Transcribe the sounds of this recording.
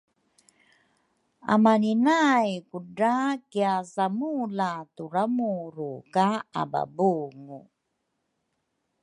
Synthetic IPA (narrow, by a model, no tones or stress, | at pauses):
a̰maninajkudakiasamulatuɾamuɾukaa̰ba̰buŋu